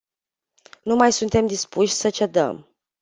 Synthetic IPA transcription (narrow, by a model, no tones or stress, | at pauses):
numajsunt̪e̞md̪ispuʃʲsət͡ʃe̞d̪ə̰m